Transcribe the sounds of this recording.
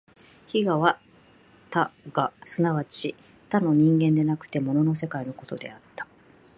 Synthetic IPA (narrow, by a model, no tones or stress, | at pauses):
çiɡaβa | t̪aɡasɨnaβat͡ɕi | t̪ano̞ɲ̟ĩŋɡẽ̞nd̪e̞nakɯ̟̥t̪e̞mo̞no̞no̞s̬e̞kaino̞ko̞t̪o̞d̪e̞̰at̪ːḁ